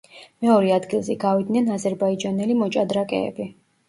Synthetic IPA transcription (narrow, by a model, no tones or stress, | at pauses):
mɛɔɾɛad̪ɡilˠzɛɡavid̪̚nɛnazɛɾbaid͡ʒanɛlimɔt͡ʃʼad̪ɾakʼɛ̰ːbi